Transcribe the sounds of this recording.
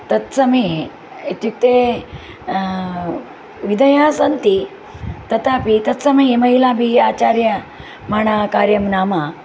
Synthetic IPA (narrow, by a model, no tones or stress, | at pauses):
t̪ɐt̪sɐmi | it̪juk̚t̪e | ʋid̪ɐjasɐnt̪i | t̪ɐt̪aːpit̪ɐt̪sɐmɐimɐɦilaːbʱiaːt͡ɕaːɾjɐ | maːɳakaːɾjɐmnaːma